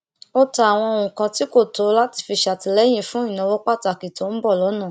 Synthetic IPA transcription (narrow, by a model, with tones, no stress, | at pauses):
o˦ta˨a˨w̃ɔ̃˧o˧wũ˨kã˧ti˦ko˦˨to˨˦la˦ti̥˧˨fi˧ʃa˨ti˧˨lɛ˨˦j̃ĩ˧fũ˦ĩ˦˨nã˧wɔ˦k͡pa˦˨ta˨ki˨tõ˨˦m̩˦bɔ˦˨lɔ˨˦nã˦˨